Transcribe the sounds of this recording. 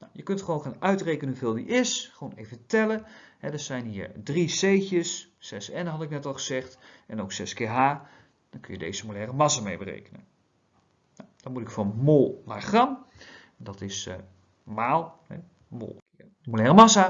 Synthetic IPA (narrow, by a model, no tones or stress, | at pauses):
nawjəkɵntχəʋownχaːnœɥtrejkənənɦuvɪːlˠdḭʔɪsχəʋownejvətɛləɦɛdəɹsɛjnɦiːɹdrisejcəsːɛsɛnɦɑtɪknɛtɑlˠχəzɛχtɛnowksɛskeːɹɦaː | d̥ɑnkɵnjədḛjzəmolɛːrəmɑsamejbərḛjkənə̰n | nawd̥ɑmutɪkfɔnmolˠnaɹχrɑm | ɛndɑtɪs | maːlˠɦɛ̰ | mo̰lˠ | molɛːrəmɑsa